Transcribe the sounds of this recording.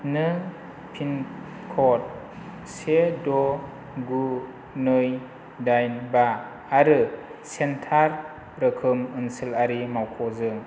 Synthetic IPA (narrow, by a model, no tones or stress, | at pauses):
nɯ | pʰin | kʰɔt̚ | sedɔ | ɡu | nɯj | dajnbaː | ɾɯsentʰaɾ | ɾɯkʰɯmɯnsɯlaɾimawkʰɔzɯŋ